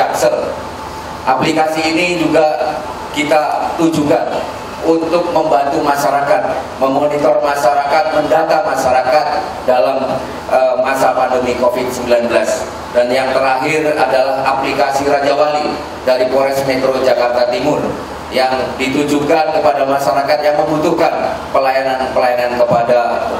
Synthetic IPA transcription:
aksəl | ʔaplikasiːnid͡ʒuɡa | kit̪at̪ud͡ʒukan | unt̪ʊk̚məmbant̪umaʃaɾakat̪̚məmonit̪ɔrmaʃaɾakat̪̚məndat̪amaʃaɾakat̪̚ | dalam | ʔəːasapandəmikofɪt̪̚səmbilanbəlas | danjaŋt̪əɾaɦɪradalahaplikasiɾad͡ʒawali | daɾikoɾɛsmet̪ɾod͡ʒakart̪at̪imʊr | jaŋdit̪ud͡ʒukankəpadamaʃaɾakat̪̚jaŋməmbut̪uhkanpəlajananpəlajanankəpada

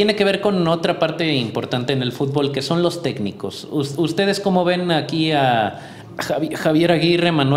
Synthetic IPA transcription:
jeneke̞βe̞ɾko̞no̞t̪ɾapaɾt̪e̞impo̞ɾt̪ant̪e̞ːne̞lfut̪̚bo̞lke̞so̞nlo̞st̪e̞knḭko̞̰susust̪e̞ð̞e̞sko̞mo̞βe̞nakia | axaβje̞ɾaɣire̞mãnwe

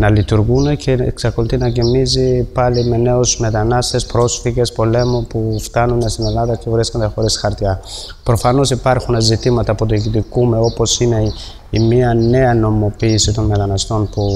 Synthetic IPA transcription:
nɐlit̪uɾɣunece̞ːksɐko̞lit̪inɐcimizipɐlime̞ne̞osme̞t̪ɐnɐst̪e̞spɾo̞sfiʝe̞spo̞le̞mupuft̪ɐnunest̪ine̞lɐðɐcevɾiskond̪ɐxo̞ɾisxɐɾt̪jɐ | pɾo̞fɐno̞sipɐɾxunezit̪imɐt̪ɐːpot̪ucit̪ikumeopo̞sine̞ | imiɐne̞ɐno̞mo̞piːsit̪o̞nme̞t̪ɐnɐst̪o̞npu

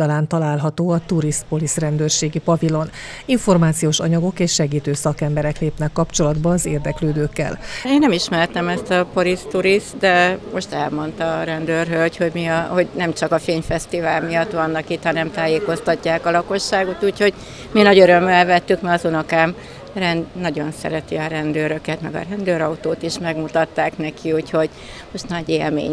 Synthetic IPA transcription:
ɒlaːnt̪ɒlaːlɦɒt̪oːɒt̪uɾist̪̚po̞lisrɛnd̪øːrʃeːɡipɒvilo̞n | iɱfo̞rmaːt̪sijoːʃɒ̰ɲɒɡo̞keːʃːɛɡiːt̪øːsɒkɛmbɛɾɛkleːpnɛkːɒpt͡ʃo̞lɒd̪bɒːzeːrd̪ɛkløːd̪øːkːɛ̰leːnːɛmiʃmɛrt̪ɛmɛst̪ɒpoɾist̪ːuɾist̪d̪ɛmo̞ʃt̪ɛlmo̞nt̪ɒɾɛnd̪øːrɦølcho̞ɟmiɒho̞ɟnɛmt͡ʃɒkɒfeːɲfɛst̪ivaːlmijɒt̪ʋɒnːɒkit̪hɒnɛmt̪aːjeːko̞st̪ɒcːaːkɒlɒko̞ʃːaːɡo̞t̪uːcho̞ɟ | minɒɟøɾø̞mːɛlvɛt̪ːykmɛɒzonɒkaːm | rɛnd̪nɒɟo̞nsɛ̰ɾɛt̪iɒɾɛnd̪øːɾø̞kɛt̪mɛɡɒ̰ɾɛnd̪øːɾɒut̪oːt̪iʃmɛɡmut̪ɒt̪ːaːknɛkʰiuːcho̞ɟ | mo̞ʃt̪nɒɟeːlmḛːɲ

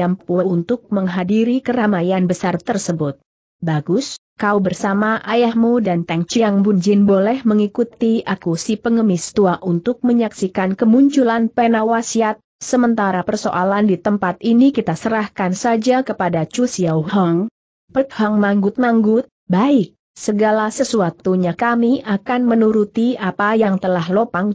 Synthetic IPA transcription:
ampuunt̪ʊk̚məŋɦadiɾikəɾamajanbəsart̪ərsəbʊt̪̚ | baɡʊs | kaubərsamaʔajahmudant̪ɛŋt͡ʃiaŋbuɲd͡ʒɪnbolɛhməŋikut̪iʔakusipəŋəmɪst̪uaʔunt̪ʊk̚məɲaksikankəmuɲt͡ʃulanpɛnawasiat̪̚səmənt̪aɾapərso̰ʔalandit̪əmpat̪inikit̪asəɾahkansad͡ʒakəpadat͡ʃusiawɦɔŋ | pət̪̚hɔŋmaŋɡʊt̪̚maŋɡʊt̪̚baɪk̚ | səɡalasəsuat̪uɲakamiʔakanmənuɾut̪iapajaŋt̪əlahlopaŋ

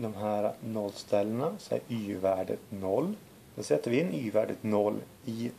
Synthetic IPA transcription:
d̪ɔmɦæːɾɑnɔlst̪ʰɛlːənəsɔæ̰ɾyːʋæːɖə̰t̪nɔlː | d̪̥ɛsɛt̪ːəɾʋɪɪnyːʋæːɖə̰t̪nɔlː | ɪ

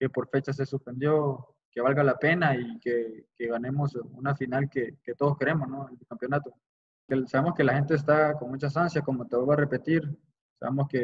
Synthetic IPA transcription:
ke̞po̞ɾfe̞t͡ʃas̬e̞suspe̞nd̪jo̞ | ke̞β̞alɣalape̞naikeke̞ɣane̞mo̞sunafinalkeke̞t̪o̞ð̞oske̞ɾe̞mosno̞enelkampjo̞nat̪o | kesaβe̞mo̞ske̞laxe̞nt̪̬e̞ːs̬t̪ako̞nmut͡ʃas̬ansjako̞mot̪eβaβare̞pe̞t̪iɾ | sa̰βe̞mo̞ske̞

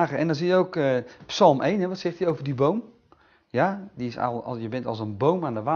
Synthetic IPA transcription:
ɣəɛndɔnzijəowkəpsɑlˠmʔejnɦɛʋɔtsɛχtəowvərdibowm | jadiɪsa̰jəbɛntɔ̰lˠsənbowmandəʋa

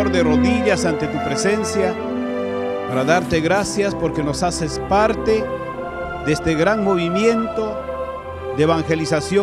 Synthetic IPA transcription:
oɾðe̞ro̞ðiʝasant̪e̞t̪upɾese̞nsja | paɾaðaɾt̪e̞ɣɾasjaspo̞ɾkeno̞sasespaɾt̪e | ðeest̪e̞ɣɾaŋmo̞βimje̞nt̪o̞ | ðeβaŋxe̞lisasjo

